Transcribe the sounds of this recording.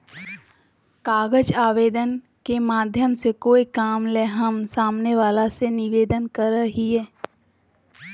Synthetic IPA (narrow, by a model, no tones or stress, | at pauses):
kaːɡəd͡ʒaːʋeːd̪ən | kemaːd̪ʱjəmsekoːikaːmleɦəmsaːmneʋaːlasenɪʋeːd̪ənkəɾəɦiɦɛː